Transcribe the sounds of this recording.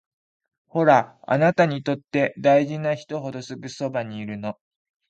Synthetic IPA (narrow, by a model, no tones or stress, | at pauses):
ho̞ɾaa̰nat̪aɲ̟it̪o̞t̪ːe̞d̪aiʑinaçi̥t̪o̞ɦo̞d̪o̞sɨɡɯ̟so̞baɲ̟iːɾɯ̟no̞